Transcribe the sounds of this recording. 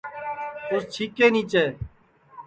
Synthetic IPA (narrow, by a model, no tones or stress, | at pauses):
ost͡ʃʰiːkeːnĩːt͡ʃeː